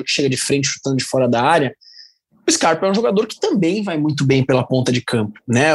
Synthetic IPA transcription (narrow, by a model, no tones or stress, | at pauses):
ɾʊkɪ̥ʃeɡɐd͡ʒɪfɾẽnt͡ʃɪʃu̥t̪ɐ̃d̪ʊd͡ʒɪfɔɾɐd̪aaɾiɐ | ʊɪskaɾpɛũʒoɡad̪oɾkɪ̥t̪ɐ̃mbẽj̃vajmũj̃t̪̬ʊbẽj̃pelɐpõnt̪ɐd͡ʒɪkʰɐ̃mpʊ̥nɛ